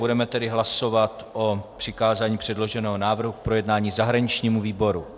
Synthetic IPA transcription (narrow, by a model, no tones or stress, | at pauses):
budɛmɛt̪ɛdɪɦlaso̞vat̪ʔopr̝̥ɪkaːzaːɲiːpr̝̥ɛdlo̞ʒɛnɛːɦonaːvr̩ɦuk̚pɾo̞jɛdnaːɲiːzaɦɾaɲɪt͡ʃɲiːmuviːbo̞ɾu